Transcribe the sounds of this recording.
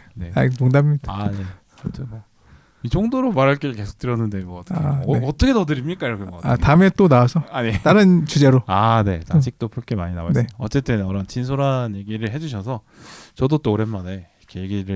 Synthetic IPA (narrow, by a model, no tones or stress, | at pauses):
ne̞atoŋdamiɲdane̞ | ot͡ɕʰʌnmʌ | it͡ɕʰoŋdoɾomaɾaɭk͈eɾɯɭke̞sʰo̥k̚t͈ɯɾjʌnːɯndemʌt͈ʰʌ̥keʌt͈ʌkʰetʌdɯɾimɲik͈aiɾʌkʰeɡʌk͈aatamet͈onaasʰʌaɲet͈aɾɯnt͡ɕud͡ʑeɾoane̞tad͡ʑik̚t͈opʰuɭk͈emaɲina̰waeʌt͡ɕ͈e̞t͈ɯnʌɾʌnt͡ɕins̬ʰoɾanje̞ɡiɾɯɭɦe̞d͡ʑuɕ̬ʰʌsʰʌ | t͡ɕʌdot͈oːɾe̞nmane̞ | kʰeje̞ɡiɾɯ